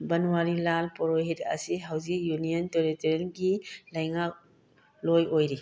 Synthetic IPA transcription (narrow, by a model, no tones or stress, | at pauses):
bɐnuwaɾilalpɔɾoɦetɐ̰siɦawzik̚junijənteɾiteɾenɡilɐjŋak̚ | lojojɾi